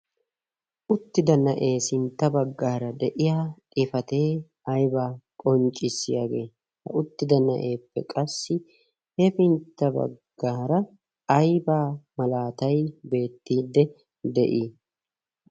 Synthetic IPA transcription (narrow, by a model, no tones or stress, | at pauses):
ʔʊt̪ːɪd̪ɐnɐʔe̞ːsɪnt̪ːɐbɐɡːaːɾɐd̪ɛʔɪjaːt̪ʼɪfɐt̪e̞ː | ɐjbaːkʼɔnt͡ʃʼːɪsːɪjaːɡe̞ː | hɐ̰ʊt̪ːɪd̪ɐnɐ̰ʔe̞ːpːɛ̰kʼɐsːɪ | hɛfɪnt̪ːɐbɐ̰ɡːaːɾɐ | ɐjbaːmɐlaːt̪ɐjbe̞ːt̪ːiːd̪ɛ | d̪ɛ̰ʔiː